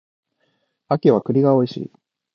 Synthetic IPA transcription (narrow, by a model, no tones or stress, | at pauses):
akʲiβakɯ̟ɾʲiɡao̞iɕḭː